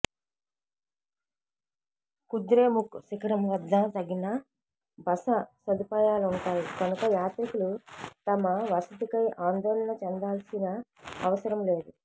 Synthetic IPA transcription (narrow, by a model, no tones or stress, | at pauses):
kud̪ɾe̞ːmuksikɐɾɐmʋɐd̪ːat̪ɐɡinɐ | bɐsɐsɐd̪ipaːjaːluɳʈaːjikɐnukɐjaːt̪ɾɐkulut̪ɐmɐʋɐsɐd̪ikɐjʔaːnd̪ɔːlɐnɐt͡ʃɛnd̪aːlsinɐɐʋɐsɐɾɐmle̞ːd̪u